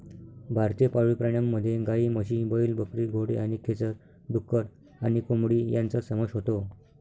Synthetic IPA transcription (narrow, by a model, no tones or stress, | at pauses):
bʱaɾt̪epaɭipɾəɳjamːəd̪ʱːjeɡaiːməɕĩbəilbəkɾiːɡʱoɽḛaɽ̃ikʰet͡səɾ | ɖukːəɾ | anikomɽiːjãnt͡səsəməʂɦot̪o